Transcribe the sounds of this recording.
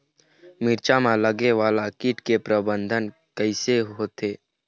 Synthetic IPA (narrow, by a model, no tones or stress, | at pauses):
mɪɾt͡ʃamãləɡeʋaːlakɪʈkepɾəbə̃nd̪ʱən | kəɪseɦoːt̪eː